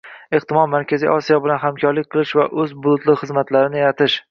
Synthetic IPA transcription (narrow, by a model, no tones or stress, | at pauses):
eχt̪ɪmɒlmaɾkʲazḭʔɒsijɒbɪlanɦamkʲʰɒɾlɪk̚ʲqʰɨlˠɪʃvaʔɵzbʊlˠʊt̪lɪχɨzmat̪laɾɪnɪjat̪ʰɪʃ